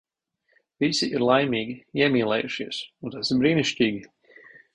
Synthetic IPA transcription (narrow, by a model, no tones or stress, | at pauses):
visiʔiɾlˠajmiːɡʲiiɛmiːlˠɛ̰ːjuʃiɛsunt̪asɪɾbɾiːniʃcʲiːɡʲi